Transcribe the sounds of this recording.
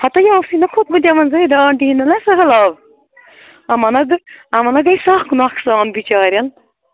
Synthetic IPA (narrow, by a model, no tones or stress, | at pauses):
hɐt̪ɐjãːsinɐkʰot̪̚mɐt̪ʲiɐmɐnzɐid̪aɳʈiinɐnɐsɐɦɐlaːʋ | ɐmɐnɐɡɐmɐnɐɡɐjsaːxkunakʰsaːnbit͡ʃaːɾjɐn